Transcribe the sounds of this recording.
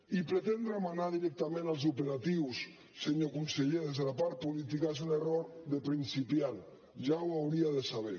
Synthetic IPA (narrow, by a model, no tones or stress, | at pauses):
ipɾet̪end̪ɾamanaðiɾɛk̚t̪amẽnalz̬upeɾat̪iwsː | eɲokunseʎeɾezðelapaɾ̚polit̪̬ikas̬uneroɾðepɾinsipjan | ʒawawɾiaðesaβ̞e